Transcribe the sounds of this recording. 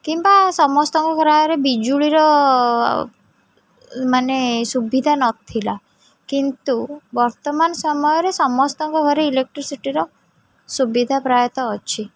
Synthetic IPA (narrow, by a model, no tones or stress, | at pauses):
kimbasɔmɔst̪ɔŋkɔkɾajɔɾebid͡ʒuɭiɾɔ | manesubid̪ʱanɔt̪ʰila | kint̪ubɔɾt̪ɔmanɔsɔmɔjɔɾesɔmɔst̪ɔŋkɔɡʱɔɾeilek̚ʈɾisiʈiɾɔ | subid̪ʱapɾajɔt̪ɔːt͡ʃʰi